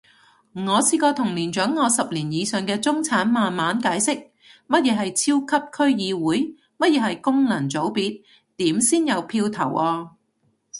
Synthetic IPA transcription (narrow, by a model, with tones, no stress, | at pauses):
ŋɔː˨˧siː˧kɔː˧t̪ʰʊ˨˩ŋliː˨˩nt͡ʃœː˨˥ŋːɔː˨˧sɐ˨p̚liː˨˩njiː˨˧sœː˨ŋkɛː˧t͡sʊ˥ŋt͡sʰaː˨˥nmaː˨nmaː˨˥nkaː˨˥jsɪ˥k̚ | mɐ˥t̚jɛː˨˧ɦɐ˨jt͡sʰiː˥wkʰɐ˥p̚kʰɵ˥ɥjiː˨˧wuː˨˥j | mɐ˥t̚jɛː˨˧hɐ˨jkʊ˥ŋlɐ˨˩ŋt͡so˨˥wpiː˧t̚ | t̪iː˨˥msiː˥njɐ˨˧wpʰiː˧wt̪ʰɐ˨˩wʔɔː˧